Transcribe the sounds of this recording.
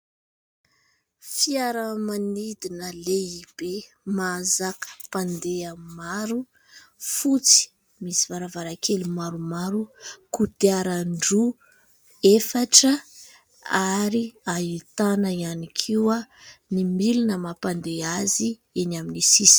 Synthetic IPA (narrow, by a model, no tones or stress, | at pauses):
fiaɾəmanid̪inəleib̥e | mazakə̥pand̪eamimaɾu | fut͡si̥ | misivaɾavaɾakʰelimaɾumaɾukud̪eaɾaɳɖ͡ʐu | efaʈ͡ʂə | aɾiait̪anəianikʰiwanimilunəmapand̪eazi | enaminisis